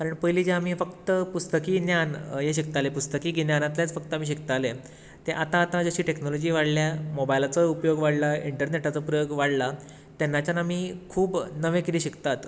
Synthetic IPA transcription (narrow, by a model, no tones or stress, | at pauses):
kaɾəɳpəjliːd͡ʑeam̤iːfəkt̪əpust̪əkiːnjanjeɕ̬ik̚t̪alepust̪əkiːɡinjanat̪ljat͡sfək̚t̪əam̤iːɕ̬ikt̪ale | t̪eʔat̪ãːt̪ãd͡zəɕiːʈeknolod͡ʑiːʋaɽljamobajlat͡səupjoɡʋaɽlaiɳʈəɾneʈat͡səpɾəjoɡʋaɽla | t̪janːat͡ɕanamiːkʰuːbnəʋẽkiɾiːɕikt̪at̪